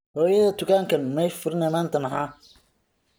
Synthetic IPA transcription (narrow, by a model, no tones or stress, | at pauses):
hɔːjɐðɐt̪ʰʊkaːŋkʰɐnmɛjfʊɾɪnɛmaːnt̪ʰɐmɐħaː